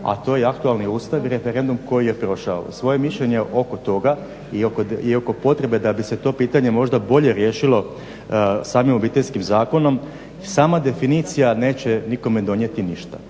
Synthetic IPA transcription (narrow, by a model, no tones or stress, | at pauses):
a̰t̪o̞ːjeakt̪ualniuːst̪aʋiɾe̞feɾe̞nd̪umko̞jije̞pɾo̞ʃao̰sʋo̞jemiʃʎe̞ɲe̞ʔoko̞t̪o̞ɡa | iokoioko̞po̞t̪ɾe̞be̞d̪abise̞t̪o̞ːpiːt̪aɲe̞mo̞ʒd̪abo̞ʎe̞ɾje̞ːʃilˠo̞ | saːmimobiːt̪e̞ʎʲskimzaːko̞no̞m | saːmad̪e̞finit̪sijane̞ːt͡ɕe̞niko̞me̞d̪o̞nje̞t̪iniʃt̪a